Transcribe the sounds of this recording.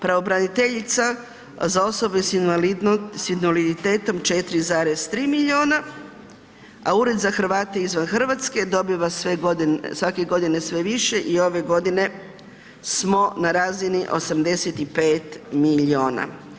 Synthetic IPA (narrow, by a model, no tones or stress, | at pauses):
pɾaʋo̞bɾanit̪eʎit̪sa | zao̞so̞be | sinʋalid̪it̪eːt̪o̞mt͡ʃe̞t̪iɾizaːɾez̥t̪ɾiːmilʎio̞ːna | auɾed̪zaxr̩ʋaːt̪eizʋanxr̩ʋat̪ske̞d̪o̞biʋaseɡod̪sʋakeɡo̞d̪ine̞sʋeʋiʃe̞ʔio̞ʋe̞ɡo̞d̪ine̞ | smo̞naɾaːziniʔo̞̰samd̪e̞set̪ipeːt̪milio̞ːna̰